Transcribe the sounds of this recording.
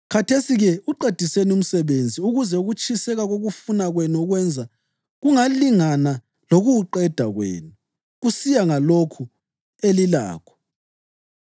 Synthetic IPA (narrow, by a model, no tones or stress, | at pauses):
kʰatʰesiɣɛuǃed̥ʱisenum̩sɛβend͡zʱiuɣuzɛuɣut͡ʃʼʰisɛɣaɣoɣufunaɣwenɔɣwɛnd͡zʱa | ɣuŋaliŋana | loɣuǃɛd̥ʱa̰ɣwḛːnu | ɣusijaŋalokʰu | elila̰ːkʰɔ̥